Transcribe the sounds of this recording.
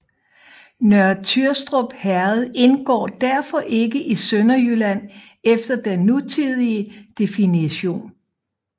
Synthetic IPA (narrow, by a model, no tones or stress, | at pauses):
nœɐt͡sʰyɐ̰sd̥ʁɔb̥hæɐð̩ˠe̝nɡ̥ɒ̰ːd̥æɐfɒ̽ʔe̝ɡ̥əʔisønɐjylæn̰efd̥ɐd̥enːut͡sʰiðˠiəd̥e̝finiɕo̝̰ːn